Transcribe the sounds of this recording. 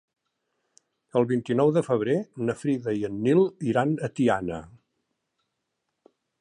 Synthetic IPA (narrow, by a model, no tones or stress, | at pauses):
əlˠβint̪inɔwðəfəβ̞ɾenəfɾiðəiənːilˠiɾanət̪ianə̰